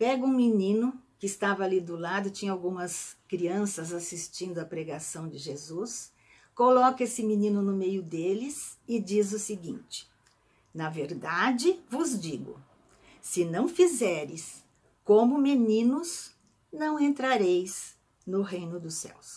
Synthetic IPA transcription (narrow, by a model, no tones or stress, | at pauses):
pɛɡʊũminĩnʊkɪːst̪avɐalid̪ʊlad̪ʊt͡ʃĩɲɐawɡũmɐskɾiɐ̃sɐzasist͡ʃĩnd̪ʊɐpɾeɡasɐ̃w̃d͡ʒɪʒezus | kolɔkɐesɪminĩnʊnʊmejʊd̪elɪsɪd͡ʒizʊsɪɡḭ̃nt͡ʃɪ̥ | nɐveɾd̪ad͡ʒɪvʊzd͡ʒiɡʊ̰ | sɪnɐ̃w̃fizɛɾɪs | kõmʊmenĩnʊs | nɐ̃w̃ẽnt̪ɾaɾejz | nʊɦẽjnʊd̪ʊsɛ̰ws